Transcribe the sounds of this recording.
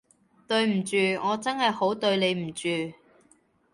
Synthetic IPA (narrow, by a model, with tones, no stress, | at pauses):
t̪ɵ˧ɥm̩˨˩t͡ʃyː˨˧ŋɔː˨˧t͡sɐ˥nhɐ˨jho˨˥wt̪ɵ˧ɥne˨˧jm̩˨˩t͡ʃyː˨